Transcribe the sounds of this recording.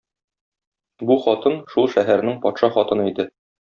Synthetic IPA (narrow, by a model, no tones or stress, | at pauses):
buχɒt̪ɤnʃulˠʃæɦæɾnɘŋpɒt̪ʃɑχɒt̪ɤ̆nɤid̪ɘ